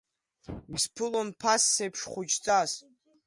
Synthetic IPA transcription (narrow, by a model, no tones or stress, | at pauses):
ɡʲspʰɨlonpʰasːejpʰʂχʷʊd͡ʒt͡sʼas